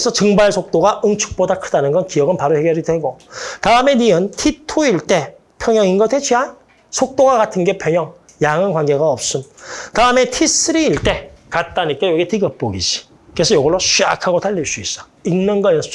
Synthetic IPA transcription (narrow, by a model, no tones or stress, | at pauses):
esʰʌt͡ɕɯŋbaɭsʰok̚t͈oɡaʔɯŋt͡ɕʰu̥k̚p͈odakʰɯdanɯnɡʌnkiʌɡɯnpaɾohe̞ɡjʌɾidwe̞ɡotaɯme̞niɯntʰitʰoiɭt͈e̞ | pʰjʌŋjʌŋinɡʌtʰet͡ɕʰɥiɦan | sʰok̚t͈oɡaɡatʰɯnɡe̞pʰjʌɲjʌŋ | jaŋɯnkwanɡe̞ɡaʌp̚s͈untaɯme̞tʰis͈ʰɯɾiːɭt͈e̞kat̚t͈aɲik͈ajoɡetiɡʌp̚p͈oɡid͡ʑi̥ | kɯesʰʌjʌɡʌɾoɕʰia̰kʰaɡotaʎːiɭs͈uis͈a | innɯnɡʌjʌn